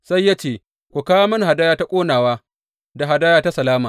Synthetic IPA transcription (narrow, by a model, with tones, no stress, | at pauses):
sa˦jːa˦t͡ʃeː˦˨ | kʷu˨kaː˦a˦mɐ˦nha˨daː˦jaː˦ta˦kʷʼoː˦naː˨waː˦ | da˨ɦa˨daː˦jaː˦ta˦sɐ˨laː˦maː˨